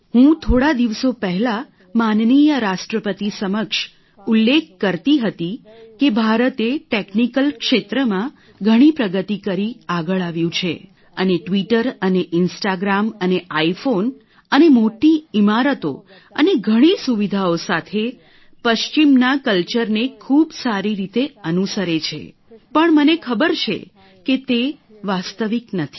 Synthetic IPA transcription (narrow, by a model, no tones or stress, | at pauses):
ɦũt̪ʰoɽad̪iʋsopəɦɛla | mannijəɾaʃʈɾəpət̪isəməkʃ | ulːek̚ʰkəɾt̪iɦət̪ikebʱaɾət̪eʈeknikəlkʃet̪ɾəmã | ɡʱəɽ̃ipɾəɡət̪ikəɾiaɡəɭaʋjũt͡ʃʰe | əneʈʋiʈəɾəneʔɪnsʈaɡɾaməneʔaifon | ənemoʈiimaɾət̪o̰ | əneɡʱəɽ̃isuʋid̪ʱaosat̪ʰe | pəʃt͡ʃimnakəlt͡ʃəɾnekʰubsaɾiɾit̪eənusəɾet͡ʃʰḛ | pəɳmənekʰəbəɾt͡ʃʰḛ | ket̪e | ʋast̪əʋiknət̪ʰi̥